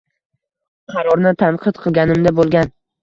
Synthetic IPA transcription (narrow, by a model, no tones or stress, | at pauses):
qʰɑɾɒɾnɪt̪ʰanqʰɨd̪qʰɨlˠɡʲanɪmd̪abolˠɡʲan